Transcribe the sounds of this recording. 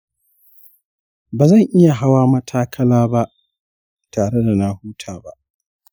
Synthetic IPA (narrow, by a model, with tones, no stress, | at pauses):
baː˨zɐ˦˨ŋʔɪ˦ja˨ɦa˦waː˦mɐ˦tʰaː˦kʰɐ˦laː˦ba˦ʔ | taː˨ɽe˦da˨na˦huː˦tʰaː˨ba̰˦ʔ